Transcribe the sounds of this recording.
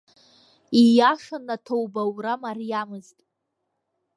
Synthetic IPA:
ijaʂanatʰowbawramarijamɨztʼ

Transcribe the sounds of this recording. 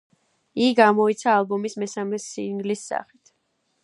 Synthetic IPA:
iɡamɔit̪sʰaːlˠbɔmismɛsamɛsḭŋɡlisːa̰χi̥t̪ʰ

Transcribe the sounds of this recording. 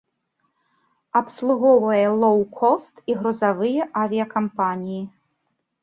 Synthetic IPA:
ɐpslˠuɣɔvɐjɛlˠɔwkʰɔst̪iɣɾɔzavɨjɛʔavʲijɐkampanʲiji

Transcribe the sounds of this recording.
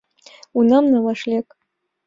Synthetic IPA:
unɐmnawaʂlʲekʼ

